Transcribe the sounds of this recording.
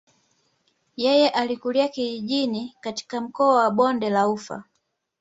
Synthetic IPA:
jɛjɛʔalikuliakiiʄinikati̥kam̩kɔawaɓɔndɛlaufa̰

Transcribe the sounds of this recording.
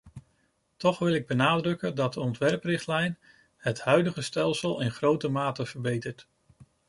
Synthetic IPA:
tɔχʋɪlˠɪɡ̚bənaːdrɵkəndɑt̚dəɔntʋɛɹprɪχtlɛjn | hətɦœɥdəχəstɛlˠsəlˠɪnχrowtəmaːtəv̥əɹbejtəɹt

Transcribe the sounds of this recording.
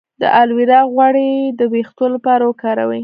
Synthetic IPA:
d̪ə̰ʔalwiɾɑɣwɑɽid̪əbext̪olapɑɾawəkɑɾawi

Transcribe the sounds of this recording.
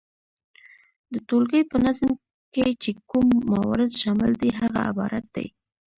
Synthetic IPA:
d̪ət̪olɡəjpənazm | ket͡ʃekumːawɑ̰ɾɪd̪ʃɑmɪld̪iɦaɣa̰ɪ̰bɑ̰ɾat̪̚d̪a̰j

